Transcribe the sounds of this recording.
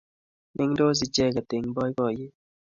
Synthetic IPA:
nɪ˦ŋdo˦z̬i˨d͡ʒɛ˦˨ɡa˨tɪ˨ŋbɔ˦i˦ɡɔ˨je˦

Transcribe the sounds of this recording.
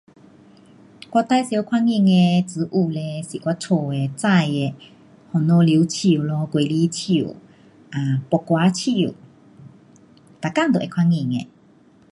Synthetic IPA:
kwa˧t̪a˧˦jsjkʰwa˧ŋi˧˨ŋe˧t͡s̩˨˧˦ʔu˧˩le˧si˨kwa˧˦t͡sʰo˧˩e˧t͡sa˥˧˨je˧ | hɔ˨no˧˦li˨˧˦t͡ɕʰi˧˩˨lɔ˧˦ke˨˦li˧˦t͡ɕʰḭ˧˩˨ | ʔa˨pɔ˨kwa˨˧˦t͡ɕʰi˧˨ | t̪a˨ka˥˨ŋd̪o˨ʔe˧kʰwa˧˥ŋi˧˨ŋḛ˧˨

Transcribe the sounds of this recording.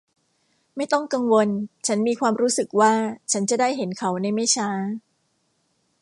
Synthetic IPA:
ma˥˩jt̪ɔ˥˩ŋka˧ŋwo˧nt͡ɕʰa˦˥nmiː˧kʰwaː˧mɾuː˦˥sɯ˨˩k̚waː˥˩t͡ɕʰa˦˥nt͡ɕa˨˩daː˥˩jɦe˩˦nkʰa˩˦wna˧jma˥˩jt͡ɕʰaː˦˥

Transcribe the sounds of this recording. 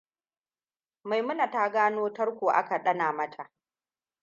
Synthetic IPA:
ma˨jmʊ˦na˨ta˦ɡaː˦noː˦tɐ˦rkʷoː˨ʔa̰˦ka˨ɗɐ˦naː˨mɐ˦tʰa˨ʔ

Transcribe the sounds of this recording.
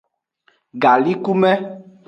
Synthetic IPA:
ɡa˨li˦ku˦mɛ˦

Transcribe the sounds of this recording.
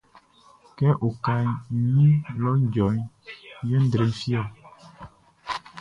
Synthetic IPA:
kɛ˦ʔo˨ka˨ɲĩ˦lɔ˦d͡ʒɔ˨i˦je˦d̪ɾe˨˦fi˦a˨

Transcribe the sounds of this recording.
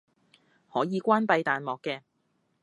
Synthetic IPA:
hɔː˨˥jiː˨˧kʷaː˥npɐ˧jt̪aː˨nmɔː˨kːɛː˧

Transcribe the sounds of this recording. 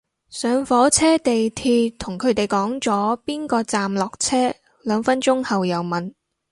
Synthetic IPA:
sœː˨˧ŋfɔː˨˥t͡sʰɛː˥t̪e˨jt̪ʰiː˧t̪ʰʊ˨˩ŋkʰɵ˨˧˥ɥt̪e˨jkɔː˨˥ŋt͡sɔː˨˥piː˥nkɔː˧t͡saː˨mlɔː˨k̚t͡sʰɛː˥ | lœː˨˧ŋfɐ˥nt͡ʃʊ˥ŋhɐ˨wjɐ˨wmɐ˨n

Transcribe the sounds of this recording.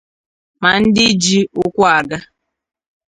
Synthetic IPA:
ma˨n̩˦dɪ˦d͡ʒi˦ʊ˦kʷʊ˦a˨ɡa˦

